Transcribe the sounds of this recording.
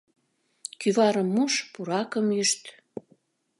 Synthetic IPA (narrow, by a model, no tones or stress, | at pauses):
kyβɑɾə̆mːuʃpuɾɑkəmyʃt̪